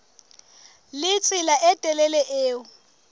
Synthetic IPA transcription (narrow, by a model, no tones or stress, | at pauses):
lɪt͡sʼɪlaʔɛtʼɛlɛlɛʔeːʊ